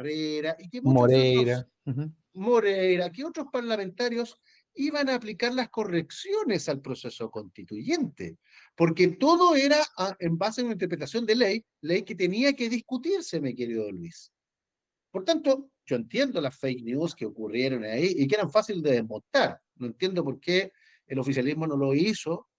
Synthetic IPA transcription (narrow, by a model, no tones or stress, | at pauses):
reɾaʔikemumoɾeejɾa | moɾejɾakeotɾospaɾlame̞nt̪aɾjos | iβanaːplikaɾlasko̞reksjo̞nesalpɾosesokonst̪it̪uʝent̪ḛ | poɾket̪oðoeɾaʔʔembasenunaint̪̬eɾp̬ɾet̪asjo̞nd̪elej | lejket̪eniakeðihkut̪iɾsemekeɾiðolwis | poɾt̪ant̪o | ɟ͡ʝoent̪je̞nd̪olasfejknjuskeokurje̞ɾonaiʔik̬eeɾaɱfasilezd̪eðemont̪aɾ | noent̪je̞nd̪op̬oɾke | elo̞fisjalizmo̞noloiso